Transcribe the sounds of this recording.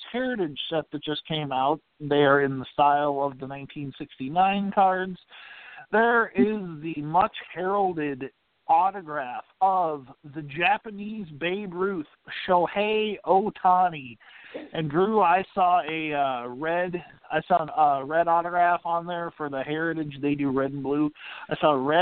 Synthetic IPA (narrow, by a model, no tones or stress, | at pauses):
tʰɛɹɾɨdʃɛt̪̚ðɨt̚d̥ʒ̥ʌskʰẽɪ̃maʊt̪̚ðəə˞ɨ̃nðəstaɪlˠʌvðənãɪ̃ntʰĩnsɪkstinãɪ̃nkʰɑɹdz̥ðə˞ɪzðɨmʌt͡ʃhɛɹl̩ˠdɪd | ɔɾɨɡɹæfʌvðɨd͡ʒæpɨnizbeɪbɹʉθ | ʃoʊheɪoʊtʰɑniʔɨ̃ndɹʉaɪsɔɨʌɹɛdaɪsɔə̃ʌɹɛɾɔɾɨɡɹæfn̩ðə˞fə˞ðɨhɛɹɨɾɨd͡ʒðeɪdɨɹɛdn̩bluaɪsɔəɹɛ